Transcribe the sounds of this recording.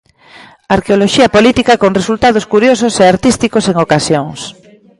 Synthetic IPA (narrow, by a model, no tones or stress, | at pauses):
aɾkeoloʃiɐpolit̪ikakoŋresult̪að̞oskuɾjos̬oseaɾt̪ist̪ikoseŋokasjoŋs